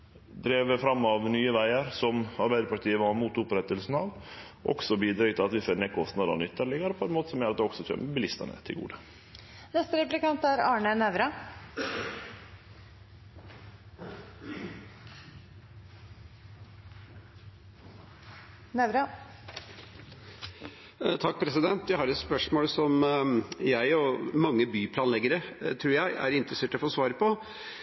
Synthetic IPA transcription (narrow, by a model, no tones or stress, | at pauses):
d̪ɾeːʋəfɾɑmːɑʋnyːəʋæɪəɾsɔmɑɾbæɪd̪əɾpʰɑʈ̪ʰiːəʋɑmuːt̪ʊpɾɛt̪əlsn̩ɑʋ | ʔɔ̰ɡsɔbiːd̪ɾeːɡt̪ʰɪlɑt̪ʋɪseːɾneːkʰɔst̪nɑd̪ɑ̰nʏt̪ʰːəɭɪŋːəɾəpʰɔɛnmoːt̪ə̥sɔmjøːɾɑt̪d̪ɛɔɡ̥sɔtʰø̰ːməbəlɪst̪ə̰ɳə̰t̪ʰɪlɡṵːd̪ə | nɛst̪əɾɛplɪkɑnt̪æɾɑːɳənɛʋɾɑ | nɛʋɾɑ | t̪ʰɑk̚ːpʰɾɛsɪd̪ɛnt̪jæɪhɑɾɛt̪spœʂmoːlsɔm | jæɪɔmɑŋːəbyːpʰlɑːnlɛɡəɾət̪ʰɾuːɾjæɪʔæ̰ɾɪnt̪ɾəseːʈɔfoːsʋɑːɾəpɔ